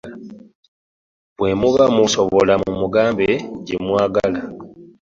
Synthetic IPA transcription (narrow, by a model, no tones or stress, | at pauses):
βwe̞muβamusoβolamumuɡaːmbeɟemwaːɡala